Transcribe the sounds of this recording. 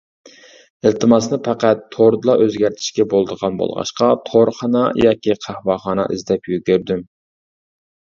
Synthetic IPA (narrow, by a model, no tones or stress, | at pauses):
ɪlt̪ʰɨmɑsnɨpʰæqæt̪ʰːoɾd̪ɨlˠɑʔøzɡʲæɾt̪ʰɪ̥ʃkʲɛbolˠd̪əʁɑnbo̰lˠʁɑ̰ʃqɑt̪ʰoɾχɑnɑ̰jɑːkʲiqʰæhwɑχɑnɑ̰ʔɪ̰zd̪ɛpjykʲøɾd̪ym